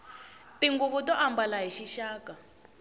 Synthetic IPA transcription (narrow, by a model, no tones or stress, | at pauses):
tiŋɡuβutɔʔambalaɦiʃiʃaːka